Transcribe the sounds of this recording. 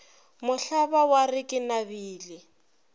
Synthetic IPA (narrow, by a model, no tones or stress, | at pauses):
mʊɬabawarɪkʼɪnabiːlɪ